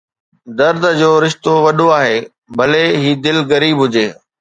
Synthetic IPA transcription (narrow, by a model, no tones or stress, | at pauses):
d̪ɐɾd̪ʱəd͡ʑoːɾɪʃt̪oʋɐɗoaːɦeː | bʱɐleɦiːd̪ɪlɣɐɾiːbɦʊd͡ʑeː